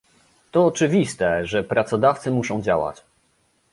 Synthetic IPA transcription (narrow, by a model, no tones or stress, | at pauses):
t̪ɔːt͡ʂɘvʲist̪ɛʐɛpɾat̪sɔd̪aft̪sɘmuʂɔ̃w̃d͡ʑa̰wa̰t͡ɕ